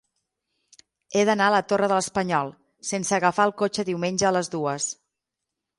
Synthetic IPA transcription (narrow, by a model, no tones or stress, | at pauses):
eðənaələt̪orəðələspəɲɔlˠ | sensəːɣəfaəlˠkot͡ʃəðiwmenʲʒəːləzðuəs